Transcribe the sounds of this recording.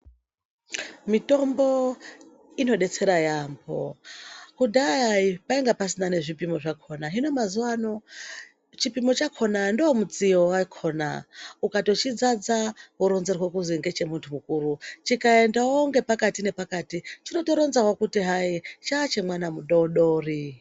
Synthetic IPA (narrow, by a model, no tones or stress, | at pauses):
mitombo | ino̞ɗe̞t͡sʰeɾajaːmbʰo̰kudaaipaiŋɡapas̬inane̞ʐipimoʐakʰonaɦinomazuwano | t͡ʃipimot͡ʃakʰonandoomut͡sijowakʰona̰ukato̞t͡ʃid͡zad͡zaɦuɾonzerwekuziŋɡet͡ʃe̞muntʰumukuːɾut͡ʃikae̞ndawoŋɡe̞pakatine̞pakatit͡ʃino̞to̞ɾonzakwakutiɦait͡ʃat͡ʃemwanamuɗouɗori